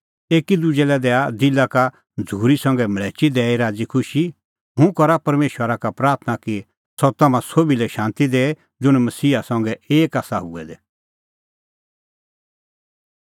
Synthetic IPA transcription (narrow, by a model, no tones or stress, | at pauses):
eːkid̪ʊd͡ʒɛlɛd̪ɛːad̪ɪlaka | d͡zʱuːɾisɐ̃ŋɡɛmɐɭɛːt͡ʃid̪ɛːiɾaːd͡zikʰʊʃi | ɦũkɔɾapɐɾmeːʃwəɾakapɾaːɾt̪ʰnaki | sɔt̪ɐmãsobilɛʃãːnt̪id̪eːɛ | d͡zʊɽ̃mɐsiːasɐ̃ŋɡɛeːkaːsaɦṵɛd̪ɛ